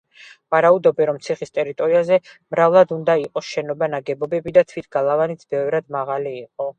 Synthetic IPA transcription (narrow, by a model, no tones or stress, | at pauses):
vaɾaud̪ɔbɛɾɔmt̪sʰiχist̪ʼɛɾit̪ʼɔɾiazɛmɾavlˠad̪und̪aiqʼɔsʃɛnɔbanaɡɛbɔbɛbid̪at̪ʰvit̪ʰɡ̥alˠavanit̪sʰb̥ɛvɾad̪maʁaliːqʼɔ